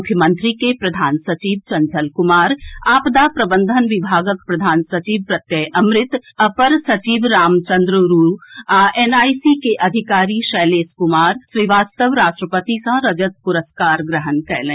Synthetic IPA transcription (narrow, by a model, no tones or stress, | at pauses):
ʊkʰːjəmə̃nt̪ɾikepɾɐd̪ʱaːnsɐt͡ʃiːʋt͡ʃɐ̃ɲt͡ʃəlkʊmaːɾaːpd̪apɾɐbə̃nd̪ʱənʋɪbʱaːɡəkpɾɐd̪ʱaːnsɐt͡ʃiːʋpɾɐt̪jəʔɐmɾɪt̪ɐpəɾsɐt͡ʃiːʋɾaːmt͡ʃɐ̃nd̪ɾəɾuːaʔeːnaːisikeʔɐd̪ʱɪkaːɾiʃɛːleːskʊmaːɾswiʋaːst̪əʋɾaːʃʈɾəpət̪ikãɾɐd͡ʒət̪̚pʊɾəskaːɾɡɾəɦənkɛːlẽː